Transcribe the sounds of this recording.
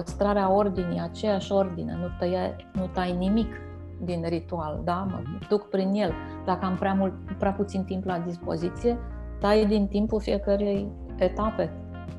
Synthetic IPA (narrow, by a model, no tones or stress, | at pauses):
əst̪ɾaɾeao̞rd̪inijat͡ʃe̞jaʃʲo̞rd̪inḛnut̪əja | nut̪ajnimik | d̪inrit̪uald̪amə̰d̪̥ukpɾinje̞l | d̪akəampɾeamult̪pɾeaput̪sint̪implad̪ispo̞̰zit̪sije̞ | t̪ajd̪int̪impulfijekəɾije̞j | et̪ape̞